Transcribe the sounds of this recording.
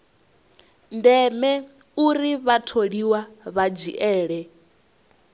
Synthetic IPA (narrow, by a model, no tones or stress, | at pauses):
ndɛmɛ | uɾiβatʰoɺiwaβad͡ʒḭʔɛːɺɛ